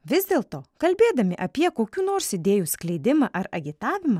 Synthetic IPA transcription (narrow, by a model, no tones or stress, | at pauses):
ʋʲɪzʲd̪ʲeːlˠt̪oːkɐlʲbʲeːd̪ɐmʲɪʔɐpʲiɛkoːkʲuːnoːɾsɪd̪ʲeːjuːsklʲɛɪd̪ʲɪmɐʔɐɾɐɡʲɪt̪ɑːʋʲɪmɐ